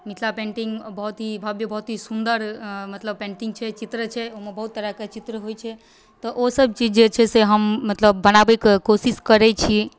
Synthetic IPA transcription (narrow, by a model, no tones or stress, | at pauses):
mit̪ʰlapẽɳʈĩŋɡbəɦut̪ɦibʱabjəbəɦut̪ɦisund̪əɾmət̪ləb̚pẽɳʈiŋɡ̚t͡ʃʰɛt͡ʃit̪ɾət͡ʃʰɛoɦmebəɦut̪ːəɾaket͡ʃit̪ɾəɦojt͡ʃʰɛ | t̪ɔʔosəb̚t͡ʃid͡ʒd͡ʒet͡ʃʰɛseɦəmːət̪ləbːənabɛkekosiskəɾɛt͡ʃʰi